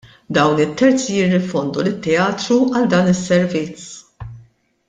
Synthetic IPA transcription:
d̪ɐwnɪt̪ːɛɾt͡sjɪrːɪfɔnd̪ulɪt̪ːɛɐːt̪ɾuɐld̪ɐːnɪsːɛɾvɪt͡s

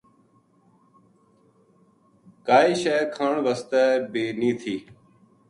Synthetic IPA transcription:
kaːiːʃɛːkʰaːɳʋəst̪ɛːbeːniːt̪ʰiː

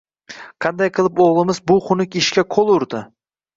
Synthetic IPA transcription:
qʰɑnd̪ajqʰɨlˠɪpoʁlˠɪmɪzbʊχʊnɪkʲɪʃkʲaqʰolˠʊɾd̪ɪ

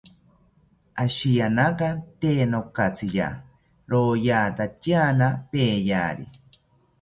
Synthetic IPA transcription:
aʃijanakat̪eːnokat͡sʰija̰ | ɾoːjaːt̪at͡ʃjaːnapeːja̰ːɾḭ

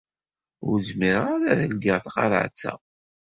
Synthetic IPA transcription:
ʊ̰ɾzmiɾaɾæðəlɡəʁθqɑ̰ɾa̰ʕt͡sːæ̰

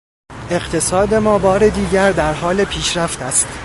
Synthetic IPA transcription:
e̞ɢt̪ʰe̞sɒːd̪e̞mɒːbɒːɾe̞d̪iːɟæɾd̪æɾɦɒːlepʰiːʃɾæft̪æst̪

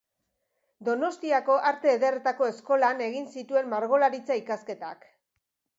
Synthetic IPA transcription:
d̪o̞no̞st̪iako̞ʔaɾt̪e̞ːðe̞ret̪ako̞e̞sko̞lane̞ɣinsit̪ue̞mːaɾɣo̞laɾit͡saikaske̞t̪a̰k

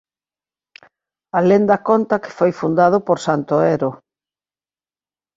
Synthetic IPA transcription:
alend̪akont̪ɐkɪ̥fojfund̪að̞ʊpoɾsant̪oɛɾo

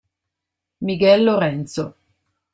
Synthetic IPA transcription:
miɡɛlːoɾɛnt̪so

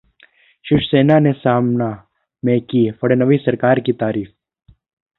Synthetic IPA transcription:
ʃɪʃseːnanesaːmna | mẽːkifɐɽenəʋisɐɾkaːɾkit̪aːɾiːf

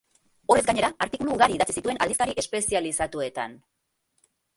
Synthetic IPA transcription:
o̞re̞zɡaɲe̞ɾaːɾt̪ikuluːɣaɾiːðat͡sisit̪ue̞nʔald̪ist̪aɾiʔe̞spe̞sialisat̪ue̞t̪a̰n

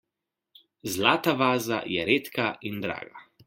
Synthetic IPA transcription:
zlaːt̪aʋaːza̰jɛɾeːt̪kaind̪ɾa̰ːɡa̰

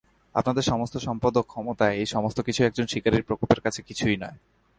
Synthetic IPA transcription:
a̰pnad̪eɾʃɔmost̪oʃɔmpad̪okkʰːɔmot̪aeejʃɔmost̪okit͡ɕʰuɛk̚d͡ʑonʃikaɾiɾpɾokolpeɾkat͡ɕʰekit͡ɕʰujnɔe

